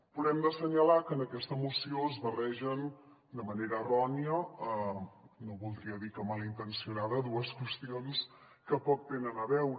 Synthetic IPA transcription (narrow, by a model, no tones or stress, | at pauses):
puɾɛmd̪əsəɲəlakənəkɛst̪əmusioəzβərɛʒən | d̪əməneɾəːrɔniəənoβulˠd̪ɾiəðikəmalint̪ənsiunaðəðuəskwəst̪ions | kəpɔk̚t̪enənəβɛwɾ